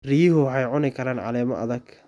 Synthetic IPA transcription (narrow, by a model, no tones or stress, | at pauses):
riːhʊħɛjʕʊnɪkʰɐɾaːnʕɑ̰lɛːmɔ̰ʔɐ̰ðɐɡ